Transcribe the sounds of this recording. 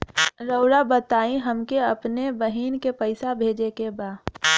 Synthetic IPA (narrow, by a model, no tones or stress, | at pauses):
ɾəʊɾabət̪aːĩɦɐmkeɐpnebɐɦiːnkepəɪsabʱeːd͡ʒekebaːd